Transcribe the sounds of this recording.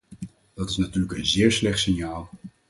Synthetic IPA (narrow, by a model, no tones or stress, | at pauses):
d̥ɑtɪsnatyːɹləkənzɪːɹslɛχtsɪnjaːlˠ